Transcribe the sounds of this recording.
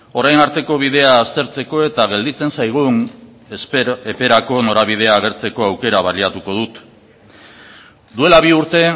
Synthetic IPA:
o̞ɾajnaɾt̪e̞ko̞β̞ið̞e̞aːst̪e̞ɾt͡se̞ko̞e̞t̪aɣ̞e̞ld̪it͡se̞nsajɣ̞un | epe̞ɾako̞no̞ɾaβ̞ið̞e̞aːɣ̞e̞ɾt͡se̞ko̞awke̞ɾaβaliat̪uko̞ð̞ut̪ | d̪ue̞laβ̞iuɾt̪e̞

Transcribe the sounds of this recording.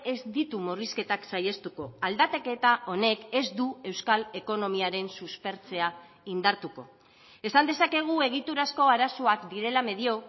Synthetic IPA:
e̞zd̪it̪umoriske̞t̪aksaje̞st̪uko̞ald̪at̪eke̞t̪aʔo̞ne̞ke̞zd̪ue̞wskale̞ko̞no̞miaɾe̞nsuspe̞ɾt͡se̞a | ind̪aɾt̪uko̞̰ | e̞sand̪e̞sake̞ɣ̞ue̞ɣ̞it̪uɾasko̞aɾasoakd̪iɾe̞lame̞ðio̞

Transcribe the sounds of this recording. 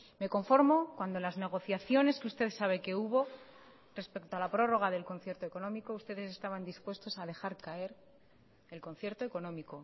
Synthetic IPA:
me̞ko̞ɱfo̞ɾmo̞kwand̪onlazne̞ɣ̞o̞θjaθjo̞ne̞skeust̪e̞ðsaβ̞e̞ke̞uβo̞ | re̞spe̞kt̪oalapɾo̞ro̞ɣ̞aðe̞lko̞n̟θje̞ɾt̪oe̞ko̞nõ̞miko̞ust̪e̞ðe̞se̞st̪aβ̞and̪ispwe̞st̪o̞saðe̞xaɾkae̞ɾ | e̞lkõ̞n̟θje̞ɾt̪o̞e̞ko̞nõ̞miko̞

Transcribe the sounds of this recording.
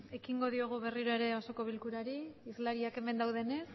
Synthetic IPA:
e̞kiŋɡo̞ð̞io̞ɣ̞uβe̞riɾoe̞ɾe̞o̞so̞ko̞β̞ilkuɾaɾiizlaɾiake̞me̞nd̪awð̞e̞ne̞s

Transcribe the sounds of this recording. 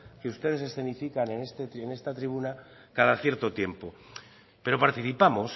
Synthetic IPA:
ke̞ust̪e̞ð̞e̞s̬e̞sθe̞nifikanenest̪et̪enest̪at̪ɾiβuna | kaðaθje̞ɾt̪o̞t̪je̞mpo | pe̞ɾo̞paɾt̪iθipamos

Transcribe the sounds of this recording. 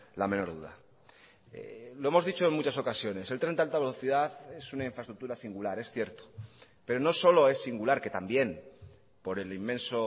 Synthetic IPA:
lame̞no̞ɾð̞uða̰ | ḛloe̞mo̞zðit͡ʃo̞e̞nmut͡ʃaso̞kasjo̞ne̞se̞lt̪ɾe̞nt̪alt̪aβe̞lo̞θiðaθe̞sunaĩɱfɾast̪ɾuk̚t̪uɾasiŋɡulaɾe̞sθje̞ɾt̪o̥ | pe̞ɾono̞so̞lo̞e̞sːiŋɡulaɾke̞t̪ambje̞n | po̞ɾe̞limːẽ̞nso̞

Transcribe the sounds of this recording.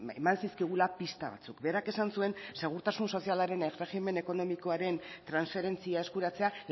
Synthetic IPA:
emansiskiɣ̞ulapist̪aβa̰t͡sukbe̞ɾake̞sansue̞nse̞ɣ̞uɾt̪asunso̞sialaɾe̞nere̞xime̞ne̞ko̞no̞miko̞aɾe̞nt̪ɾansfe̞ɾe̞nt͡siae̞skuɾat͡se̞a

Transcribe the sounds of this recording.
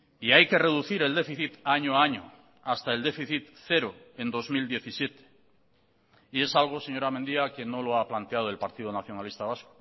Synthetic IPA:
iajke̞re̞ð̞uθiɾe̞ld̪e̞fiθit̪aɲoaɲo̰ | ast̪ae̞ld̪e̞fiθit̪θe̞ɾo̞e̞nd̪o̞zmild̪ie̞θisje̞t̪e̥ | ie̞salɣ̞o̞se̞ɲo̞ɾame̞nd̪iake̞no̞lo̞aplant̪eað̞o̞e̞lpaɾt̪iðonaθjo̞nalist̪aβ̞asko̥

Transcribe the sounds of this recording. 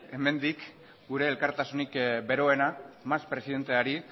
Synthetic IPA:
e̞me̞nd̪ik | ɡuɾe̞ːlkaɾt̪asunikbe̞ɾo̞e̞namaspɾe̞siðe̞nt̪e̞aɾi

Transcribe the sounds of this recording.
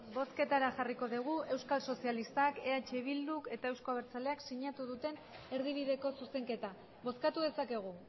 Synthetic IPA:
bo̞ske̞t̪aɾaʝariko̞ðiɣ̞ue̞wskalso̞sijalist̪ake̞at͡ʃe̞β̞ild̪uke̞t̪ae̞wsko̞aβ̞eɾt͡sale̞aksiɲat̪uðut̪e̞n | e̞ɾðiβ̞iðe̞ko̞suse̞ŋke̞t̪a | βo̞skat̪uðe̞sake̞ɣ̞u

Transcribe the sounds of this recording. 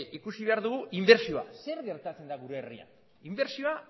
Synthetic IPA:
ʔikusiβe̞aɾðuɣ̞uʔimbe̞ɾsioa̰se̞ɾɣe̞ɾt̪at͡se̞nd̪aɣuɾeːria̰n | imbe̞ɾsioa

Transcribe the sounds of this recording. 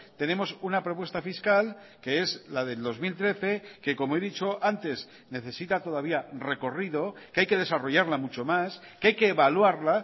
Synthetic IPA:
t̪e̞ne̞mo̞sunapɾo̞p̬west̪afiskal | ke̞e̞zlað̞e̞ld̪o̞zmilt̪ɾe̞θe̞ke̞ko̞moe̞ðit͡ʃo̞ʔant̪e̞s | ne̞θe̞sit̪at̪o̞ð̞aβ̞iare̞ko̞riðo̞keajke̞ð̞e̞saro̞ʝaɾlamut͡ʃo̞maskeajke̞ːβalwaɾla

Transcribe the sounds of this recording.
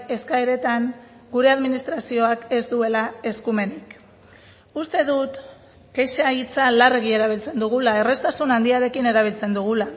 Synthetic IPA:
e̞skaeɾe̞t̪aŋ | ɡuɾe̞aðminist̪ɾasio̞ake̞zd̪ue̞lae̞skume̞nik | ust̪e̞ðut̪ | ke̞ʃait͡salareɣ̞ie̞ɾaβ̞ilt͡se̞nd̪uɣ̞ulae̞re̞st̪asunand̪iaɾe̞kine̞ɾaβ̞ilt͡se̞nd̪uɣ̞ula

